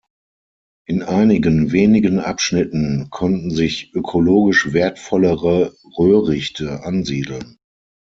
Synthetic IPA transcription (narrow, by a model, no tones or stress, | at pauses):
ʔɪnʔaɪnɪɡənveːnɪɡənʔa̰pʃnɪtn̩kʰɔntn̩zɪçʔøkʰoloːɡɪʃv̥eːɐtfɔləʁə | ʁøːʁɪçtʰəʔanziːdl̩n